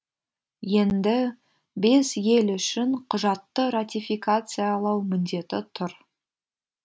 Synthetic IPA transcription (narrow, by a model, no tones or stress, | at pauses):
je̞nd̪ɪ | be̞sje̞lʏʃɪɴqʰʊʒɑt̪ːəɾat̪ʲijfijkat̪sɨjalˠɑwmɪnd̪e̞t̪ɪt̪ʰʊɾ